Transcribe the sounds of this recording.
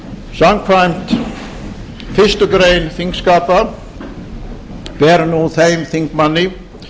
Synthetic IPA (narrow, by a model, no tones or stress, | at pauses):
samkʰɾajmt̪ | fɪst̪ʏɡɾejnθiŋkskaːpa | b̥ɛɾnuθejmθiŋkmanːɪ